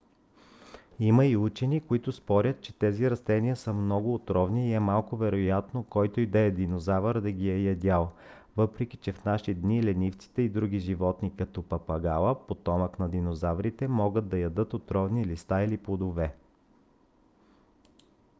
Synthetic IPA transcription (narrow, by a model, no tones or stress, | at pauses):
imɐiut͡ʃɛnikoit̪ʊspɔɾʲət̪̚t͡ʃɛ̥t̪ɛziɾɐst̪ɛniəsəmnɔɡʊːt̪ɾɔvniːɛmalˠkʊvɛɾojat̪nokɔjt̪oid̪ɛɛd̪inozavəɾd̪ɐɡʲiɛjɐd̪ʲalˠ | vɤpɾɛkʲi̥t͡ʃɛfnaʃid̪nilɛnʲift̪si̥t̪ɛid̪ɾuɡʲiʒivɔt̪nikɐt̪ɔpɐpɐɡalˠəpot̪ɔməknɐd̪inozavɾit̪ɛmɔɡəd̪̚d̪ɐjɐd̪ɤt̪ot̪ɾɔvnilist̪ailiplˠod̪ovɛ